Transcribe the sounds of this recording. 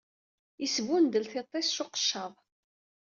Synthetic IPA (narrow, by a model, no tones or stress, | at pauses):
isvund̪əlθɪt̪ˤːesʃʊqə̥ʃːɑðˤ